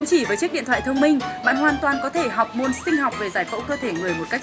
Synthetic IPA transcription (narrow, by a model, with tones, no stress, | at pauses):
ŋ͡mt͡ɕi˧˩vəː˨˦t͡ɕk̚ɗḭ˧˨nt̪ʰa̰ː˧˨jt̪ʰə˧wŋ͡mmï˧ŋ̟ɓa̰ː˧˨nɦwaː˧˨nt̪waː˨˩nkɔ˨˦t̪ʰe˧˩ɦa˨˩wk͡p̚mo˧nsï˧ŋ̟ɦa˨˩wk͡p̚ve˨˩zaː˧˩jkə̰˧˥wkəː˧t̪ʰe˧˩ŋɨ˨˩əjmo˨˩ka˦˥k̚